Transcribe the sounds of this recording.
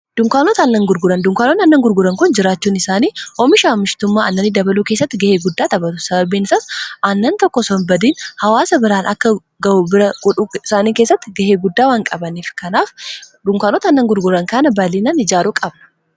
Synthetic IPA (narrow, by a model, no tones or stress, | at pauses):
d̪̥ʊŋkaːnɔt̪ɐːnːɐŋɡʊɾɡʊɾɐnd̪ʊŋkaːnɔnɐnːɐŋɡʊɾɡʊɾɐŋkʊnd͡ʒɪɾaːt͡ʃːuːnɪsaːniːʔɔmɪʃaːmɪʃt̪ʊmːaːɐnːɐnːid̪ɐbɐluːkeːs̬ːɐt̪ːɪɡɐheːɡʊd̪ːaːt̪ɐbɐt̪ʊ̥sɐbɐbiːnɪsasɐnːɐnt̪ɔkːɔsɔnbɐd̪iːnhɐwaːsɐbɪɾaːnɐkːɐ | ɡɐʔuːbɪɾɐɡʊᶑuɪsaːniːkeːsːɐt̪ːɪɡɐheːɡʊd̪ːaːwaːŋkʼɐbɐniːfkɐnaːfd̪ʊŋkaːnɔt̪ɐɐnːɐŋɡʊɾɡʊɾɐŋkɐnɐbɐliːnɐnɪd͡ʒaːɾukʼɐbnɐ̥